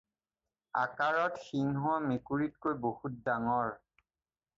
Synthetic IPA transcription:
a̰kaɹɔtxinɦʊamekuɹit̚kojbohut̚daŋɔɹ

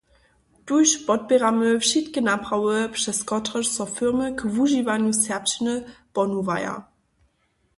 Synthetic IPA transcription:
tujɕpɔt̚pʲɛʁaməfʃitkənaprawəpʂɛskɔtʁəʂsɔfɪʁməkvuʒivaɲjusɛpt͡ɕnəpɔnuva̰ja̰

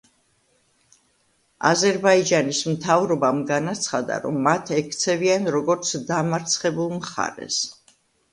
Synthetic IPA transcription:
a̰zɛɾbaid͡ʒanismt̪ʰavɾɔbamɡanat̪sʰχad̪a̰ɾɔ̰mːat̪ʰɛkʰt̪sʰɛvianɾɔɡɔɾt̪sʰd̪amaɾt̪sʰχɛbulˠmχa̰ɾɛ̰s

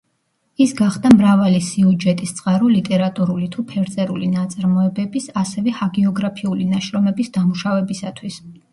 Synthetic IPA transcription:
isɡaχd̪amɾavalisiud͡ʒɛt̪ʼist̪sʼqʼaɾɔlit̪ʼɛɾat̪ʼuɾulit̪ʰupʰɛɾt̪sʼɛɾulinat̪sʼaɾmɔɛbɛbisasɛvɛhaɡɛɔɡɾapʰiulinaʃɾɔmɛbisd̪amuʃavɛbisat̪ʰwis

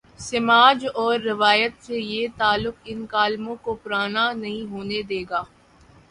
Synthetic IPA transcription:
sɪmaːd͡ʒɔːɾːɪʋaːjət̪sejet̪aːlːʊkɪnkaːlmõkopʊɾaːnanɐɦĩɦoːned̪eːɡaː

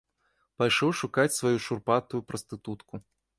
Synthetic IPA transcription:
pajʂɔwʂukat͡sʲsvajuʂurpat̪ujupɾɐst̪ɨt̪ut̪ku

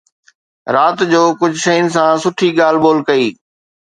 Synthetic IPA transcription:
ɾaːt̪d͡ʑoːkʊd͡ʑʱʃɐjʊnɪ̆sãsʊʈʰiɠaːl̤ɓoːlkɐiː

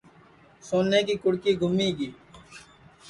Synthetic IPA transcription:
soːnːeːkiːkʊɽkiːɡʱʊmiːɡiː

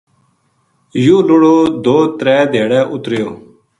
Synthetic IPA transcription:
jũːlʊɽoːd̪oːt̪ɾɛːd̪ʱeːɽɛːʔʊt̪ɾɪjoː

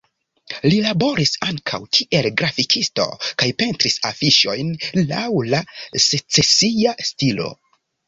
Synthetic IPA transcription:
lilabo̞ɾisaŋkʰa̰wkʰiʔe̞lɡɾafikʰisto̞̰kajpe̞ntɾisafiʃo̞jnla̰wlaset͡se̞siastilo̞̰

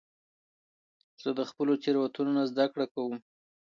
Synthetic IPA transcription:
z̥əd̪əxpəlot͡ʃeɾwat̪unonazd̪akɽakawəm

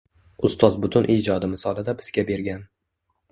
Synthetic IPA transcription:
ʊst̪ɒzbʊt̪ʰʊnʔiːd͡ʒɒd̪ɪmɪsɒlˠad̪abɪz̥ɡʲabe̞ɾɡʲan

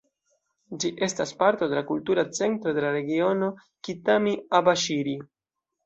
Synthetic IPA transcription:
d͡ʒiʔe̞staspaɾto̞de̞lakultuɾat͡se̞nt̪ɾo̞d̪e̞laɾe̞ɡio̞no̞ | kitamiabaʃiɾi

